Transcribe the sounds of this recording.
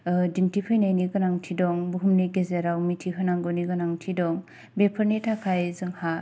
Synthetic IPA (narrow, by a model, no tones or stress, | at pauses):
dimtipʰɯjnajniɡɯnaŋtʰidɔŋbuɦumneɡezeɾawmitʰiɦɯnaŋɡɔniɡɯnaŋtʰidɔŋ | bepʰɯɾnetʰakʰajzɯŋha